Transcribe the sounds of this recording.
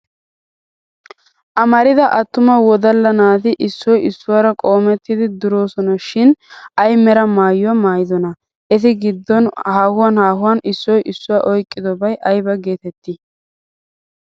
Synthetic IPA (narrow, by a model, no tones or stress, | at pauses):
ʔɐmɐɾɪd̪ɐʔɐt̪ːʊmɐwɔd̪ɐlːɐnaːt̪ɪʔɪsːɔjɪsːʊwaːɾɐkʼo̞ːmɛt̪ːɪd̪ɪd̪ʊɾo̞ːsɔnɐʃɪnɐjmɛɾɐmaːjʊwɐmaːjɪd̪ɔnɐ | ʔɛs̬ɪɡɪd̪ːɔnhaːhʊwaːnhaːhʊwaːnʔɪsːɔjʔɪsːʊwaːʔɔjkʼːɪd̪ɔbɐjʔɐjbɐɡe̞ːt̪ɛt̪ːɪ